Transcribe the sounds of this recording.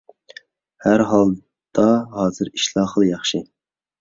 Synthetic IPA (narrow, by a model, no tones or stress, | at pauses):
hæɾɦɑlˠ | d̪̥ɑɦɑːzɨɾiʃlˠɑχlˠjɑχʃɪ